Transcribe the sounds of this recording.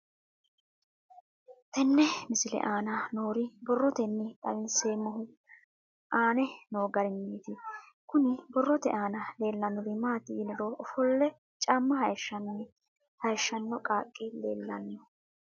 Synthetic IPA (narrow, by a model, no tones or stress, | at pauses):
t̪ɛnːɛmɪsɪlɛ̰ʔaːnɐnoːɾɪbɔrːɔt̪ɛnːɪt̪ʼɐwɪnseːmːɔɦʊ | ʔaːnɛno̞ːɡɐɾɪnːiːt̪ɪ | kʊnɪbɔrːɔt̪ɛ̰ʔaːnɐle̞ːlːɐnːɔd̪ɪmaːt̪ɪːnɪɾoːʔɔfɔlːɛ | t͡ʃʼaːmːɐhɐjʃːɐn | hɐjʃːɐnːɔkʼaːkʼːɪlḛːlːɐnːɔ